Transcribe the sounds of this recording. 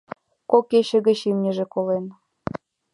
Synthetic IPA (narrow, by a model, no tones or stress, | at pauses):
kokeɕə̆ɣə̆t͡ɕimnʲə̆ʒĕkolen